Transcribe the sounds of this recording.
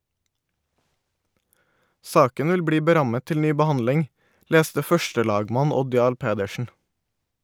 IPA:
ˈsɑːkən ˈʋɪl ˈbɽiː bəˈɾɑmə ˈtɪl ˈnyː bəˈhɑndlɪŋ ˈleːstə ˈfœʃtəˌlɑːɡmɑn ˈɔd ˈjɑːɭ ˈpeːdəʃn̩

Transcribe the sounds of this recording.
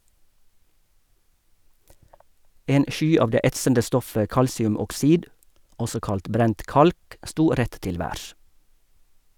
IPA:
ˈeːn ˈʔʃyː ˈɑːʋ ˈdeː ˈɛtsəndə ˈstɔfə ˈkɑlsɪʉmɔkˌsiːd ˈɔsɔ ˈkɑlt ˈbɾɛnt ˈʔkɑlk ˈʔstuː ˈɾɛt ˈtɪl ˈʋæːɾʃ

